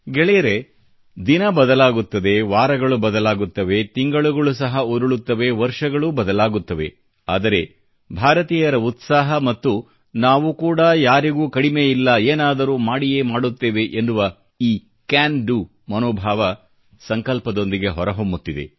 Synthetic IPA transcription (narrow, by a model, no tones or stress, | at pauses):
ɡɛɭɛjɐɾe̞ | d̪inɐbɐd̪ɐlaːɡut̪ːɐd̪e̞ʋaːɾɐɡɐɭubɐd̪ɐlaːɡut̪ːɐʋe̞t̪iŋɡɐɭuɡɐɭus̬ɐɦɐuɾuɭut̪ːɐʋe̞ʋɐɾʂɐɡɐɭubɐd̪ɐlaːɡut̪ːɐʋe̞̰ | a̰ːd̪ɐɾe̞ | bʱaːɾɐt̪iːjɐɾɐut̪saːɦɐmɐt̪ːu | naːʋukuːɽɐjaːɾiɡuːkɐɽimeilːɐeːnaːd̪ɐɾuːmaːɽije̞ːmaːɽut̪ːeːʋe̞ʔend̪uʋɐ | iː | kaːnɖu | mɐnoːbʱaːʋɐ | sɐŋkɐlpɐd̪o̞nd̪iɡe̞ɦɔɾɐɦo̞mbut̪ːid̪e̞̰